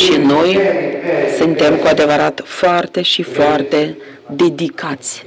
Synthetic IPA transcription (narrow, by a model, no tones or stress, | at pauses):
ʃino̞j | sɨnt̪e̞mkuad̪e̞vəɾat̪foart̪e̞ʃifoart̪e̞ | d̪e̞d̪ikʰat̪sʲ